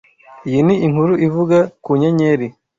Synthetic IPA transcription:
jiniiŋhuɾuʔivuɡakuɲaɲeɾi

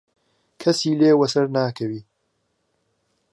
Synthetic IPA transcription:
kʰɐsiːleːwɐsɐɾnaːkʰɐwiː

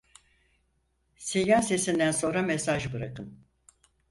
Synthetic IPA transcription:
sejaːse̞sind̪ænso̞nɾamesaʒbɯɾakɯm

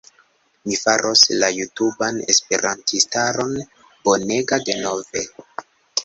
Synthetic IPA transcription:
mifaɾʔo̞slajutubane̞̰spe̞ɾʔantistaɾo̞n | b̥o̞ne̞ɡade̞no̞ve̞

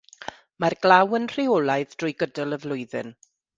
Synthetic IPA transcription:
marɡlawənr̥ɪɔlˠajðd̥rʊjɡədəlˠəvlˠʊɨðɨ̰n

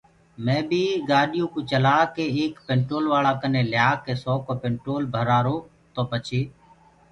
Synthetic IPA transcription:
mẽːbʱiːɡaːɗɪjũːkũːt͡ʃəlaːkeːeːkpẽːɳʈɾoːlʋaːlaːkəneːljaːkːeːsɔːkoːpẽːɳʈɾoːlbʱəɾaːɾoː | t̪oːpət͡ʃʰeː

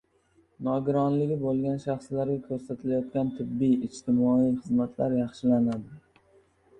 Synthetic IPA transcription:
nɒɡʲʊɾɒnlɪɡʲɪbolˠɡʲanʃɑχslaɾɡʲakʲʰɵɾsat̪ʰɪlajɒt̪̚kʲant̪ʰɪbːijɪt͡ʃt̪ʰɪmɒijχɨzmat̪ʰlaɾjɑχʃɪlanad̪ɪ

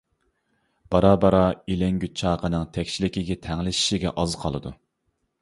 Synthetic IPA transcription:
b̥ɑɾɑbɑɾɑilɛŋɡʲyt͡ʃʰɑːqənɨŋt̪ʰɛkʲt͡ʃilɪkʲiɡʲɛt̪ʰɛŋlɪʃi̥ʃiɡʲɛ̰ʔɑzqʰɑlˠɨd̪ṵ

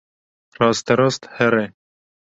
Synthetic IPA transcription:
rɑːst̪ɛɾɑst̪hɛɾɛ

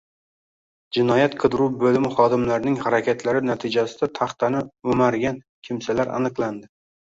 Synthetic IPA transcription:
d͡ʒɪnɒjat̪qʰɨd̪ɪɾuwbɵlɪmɪχɒd̪ɪmlaɾnɪŋhaɾakʲet̪ʰlaɾɪnat̪ʰɪd͡ʒasɪd̪at̪ʰɑχt̪anɪɵmaɾɡʲan | kʲʰɪmsalaɾa̰nɨqlˠand̪ɪ

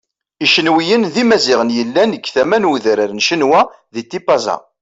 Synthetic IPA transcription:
iʃənwijənðimæziʁənjəlːænəkːθæmænuðɾəɾnʃənwæ | ðit̪ːipːɑzɑ̰

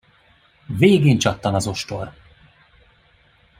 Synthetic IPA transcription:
veːɡeːnt͡ʃɒt̪ːɒnɒzo̞ʃt̪o̞r

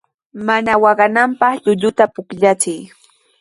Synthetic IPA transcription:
manawɑɢɑnampɑχʎʊʎʊt̪apʊkʎat͡sɪj

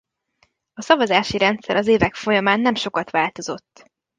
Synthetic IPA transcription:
ɒsɒvɒzaːʃiɾɛnt̪sɛɾɒzeːvɛkfo̞jɒmaːnːɛmʃo̞kɒt̪ʋaːlt̪o̞zo̞t̪ː

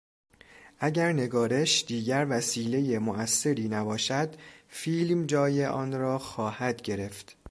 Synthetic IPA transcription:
ʔæɟæɾne̞ɡɒːɾe̞ʃd̪̥iːɟæɾvæsiːle̞je̞moʔæsːe̞ɾiːnæbɒːʃæd̪fiːlmd͡ʒɒːjeʔɒːnɾɒːxɒːhæd̪ɟe̞ɾe̞ft̪

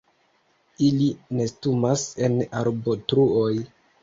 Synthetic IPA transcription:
iline̞stumase̞naɾbotɾuoj

